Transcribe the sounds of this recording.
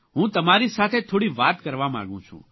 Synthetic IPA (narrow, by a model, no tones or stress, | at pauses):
ɦũːt̪ɐmaːɾisaːt̪ʰet̪ʰoːɽiʋaːt̪kɐɾʋamã̰ːɡũt͡ʃʰṵ̃ː